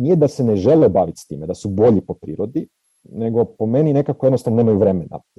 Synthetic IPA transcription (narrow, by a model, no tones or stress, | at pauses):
nijed̪ase̞neʒe̞lebaːʋit̪st̪ḭːmed̪asubo̞ʎipo̞pɾḭːɾod̪i | ne̞ɡo̞po̞me̞nine̞kakojenost̪aʋnoneːmajuʋɾe̞mena̰